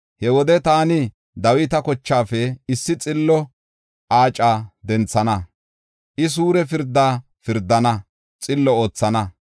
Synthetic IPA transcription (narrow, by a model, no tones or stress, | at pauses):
hɛwɔd̪ɛt̪aːnɪ | d̪ɐwɪt̪ɐkɔt͡ʃːaːfɛɪsːɪt͡sʼɪlːɔ | ʔaːt͡ʃʼaːd̪ɛnt͡sːɐnɐ | ʔɪs̬uːɾɛfɪɾd̪ːaː | fɪɾd̪ːɐnɐ | t͡sʼɪlːɔoːt͡sːɐnɐ